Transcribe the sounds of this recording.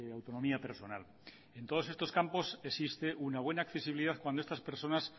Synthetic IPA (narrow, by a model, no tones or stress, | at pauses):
eawt̪o̞nõ̞miape̞ɾso̞nal | e̞nt̪o̞ð̞o̞se̞st̪o̞skampo̞sesist̪e̞ʔunaβwe̞naːkθe̞siβiliðaθkwand̪oest̪aspe̞ɾso̞nas